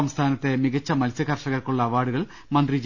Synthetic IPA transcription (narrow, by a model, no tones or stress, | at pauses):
ɐmst̪ʰaːnɐt̪ːe̞miɣɐt͡ɕːɐmɐlsjɐkɐrʂɐɣɐrkuɭːɐʋaːɽuɣɐɭ | mɐnd̪rid͡ʑ